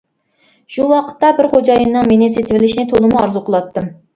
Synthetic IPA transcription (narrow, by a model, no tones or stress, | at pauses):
ʃuwɑqʰə̥t̪ːɑbɪɾχod͡ʒɑjɨnːɨŋmenɪset̪ʰɪvɪlɪʃnɪt̪ʰolˠɨmuɑɾzuqʰəlˠɑt̪ːɨm